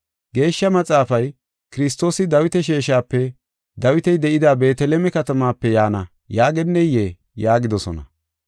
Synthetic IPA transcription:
ɡe̞ːʃːɐmɐt͡sʼaːfɐj | kɪɾɪst̪ːo̞ːsɪd̪ɐwɪt̪ɛʃ̬eːʃaːpːɛ | d̪ɐwɪt̪ɛjd̪ɛʔɪd̪aːbe̞ːt̪ɛlɛmɛkɐt̪ɐmaːpːɛjaːnɐ | jaːɡɛnːɛje | jaːɡɪd̪ɔsɔnɐ̰

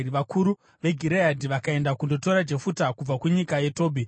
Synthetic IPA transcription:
iʋakuɾu | ʋe̞ɡʱiɾejadʱiʋakae̞ndakundo̞to̞ɾad͡ʒe̞futakub͡vakuɲikaje̞to̞ːbʱi

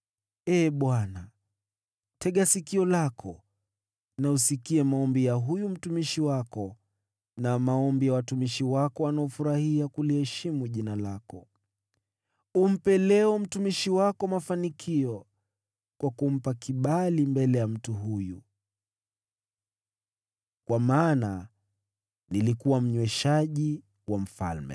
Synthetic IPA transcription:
ɛːɓwana | tʰɛɠasikiɔlakʰɔ | nausikiɛmaɔmbijaɦujum̩tumiʃiwakɔ | namaɔmbijawatumiʃiwakɔanaɔfuɾahiakulihɛʃimuʄinalakɔ | um̩pɛlɛɔm̩tumiʃiwakɔmafanikʰiɔ | kwakum̩pakiɓalimbɛlɛjam̩tuɦuju | kwamaːna | nilikuwam̩ɲwɛʃaʄi | wam̩fa̰lmɛ̰

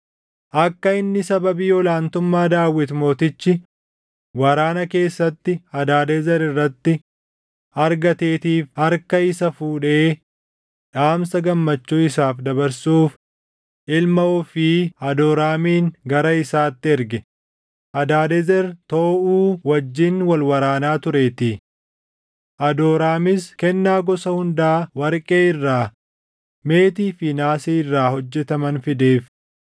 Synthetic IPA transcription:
ʔɐkːɐɪnːɪsɐbɐbiːɔlaːnt̪ʊmːaːd̪aːwːɪt̪mo̞ːt̪ɪt͡ʃːɪ | wɐɾaːnɐke̞ːsːɐt̪ːɪɐd̪aːd̪ezɛɾɪrːɐt̪ːɪ | ɐɾɡɐt̪e̞ːt̪iːfhɐɾkɐɪsɐfuːᶑe̞ː | ᶑaːmsɐɡɐmːɐt͡ʃːuːɪsaːfd̪ɐbɐɾsuːf | ʔɪlmɐɔfɪɐd̪oːɾaːmiːŋɡɐɾɐɪsaːt̪ːɪɛɾɡɛ | ʔɐd̪aːd̪ɛzɛɾt̪oːʔuːwɐd͡ʒːɪnwɐlwɐɾaːnaːt̪ʊɾe̞ːt̪ɪ | ʔɐd̪oːɾaːmɪskɛnːaːɡɔsɐhʊnd̪aːwɐɾkʼeːɪrːaː | me̞ːt̪iːfɪnaːseːɪrːaːhɔd͡ʒːɛt̪ɐmɐnfɪd̪e̞ːf

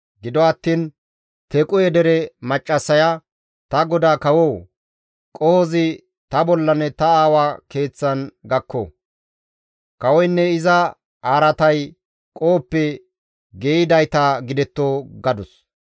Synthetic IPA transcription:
ɡɪd̪ɔɐt̪ːiːn | t̪ɛkʼʊjɛd̪ɛɾɛmɐt͡ʃʼːɐsːɐjɐ | t̪ɐɡɔd̪aːkɐwɔw | kʼɔhɔzɪ | t̪ɐbɔlːɐnɛt̪ɐaːwake̞ːt͡sːɐnɡɐkːo̰ | kɐwɔjnːɛɪzɐ | aːɾɐt̪ɐj | kʼo̞ːpːɛ | ɡeːɪd̪ɐjt̪aɡɪd̪ɛt̪ːoːɡɐd̪ʊs

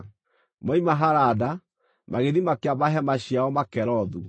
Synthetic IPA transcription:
maimaɦaɾada | maɣeðimakeamaɦɛmaɕiaɔmakɛɾɔðu

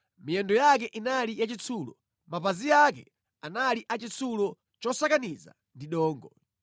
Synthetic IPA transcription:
mijɛndɔjak̬ɛʔinalijat͡ʃit͡sʰulɔ̰ | mapazijak̬ɛ̰ | analiʔat͡ʃit͡sʰulɔ | t͡ʃɔsakaniza̰ | ndiɗɔːŋɡɔ

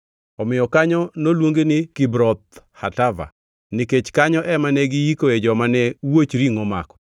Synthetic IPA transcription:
ɔmɪjɔkaɲɔnolwoŋɡenɪkibɾɔt̪hatava̰ | nɪket͡ʃkaɲɔʔɛmanɛɡɪikoed͡ʒɔmanɛwot͡ʃɾiŋoma̰kɔ̥

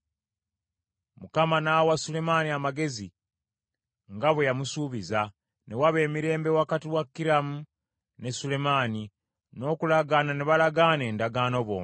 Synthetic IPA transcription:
mukamanawasule̞maniamaɡe̞zi | ŋɡaβwejamusuːβiza | ne̞waβe̞ːmiɾe̞ːmbe̞wakatiwakːiɾamu | ne̞sule̞maːni | no̞ːkulaɡaːnaneβalaɡaːne̞ːndaɡaːno̞βo̞̰ːna

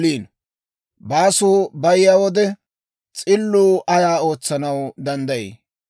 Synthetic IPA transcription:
liːn | baːsuːbɐjɪjaːwɔd̪ɛ | t͡sʼɪlːuːʔɐjaːo̞ːt͡sːɐnɐwd̪ɐnd̪ɐjɛ̰

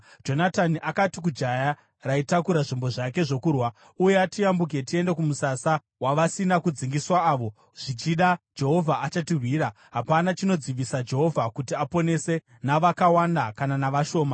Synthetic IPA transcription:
d͡ʒo̞nataniʔakatik̬ud͡ʒaja | raitakuɾaʐimbo̞ʐake̞ʐo̞kuːrwa | ujeatijambuk̬e̞tie̞ndekumusasa | waʋasinakud͡ziŋɡiswaːʋo̞ | ʐ̥it͡ʃiɗad͡ʒe̞ɦo̞vʱaːt͡ʃatirwiːɾa | ɦapanat͡ʃino̞d͡ziʋisad͡ʒe̞ɦo̞vʱakutiapo̞ne̞se̞ | naʋakawandakananaʋaʃo̞ːma

